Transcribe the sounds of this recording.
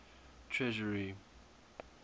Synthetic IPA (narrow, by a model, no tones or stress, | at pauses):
tʰɹɛʒəɹi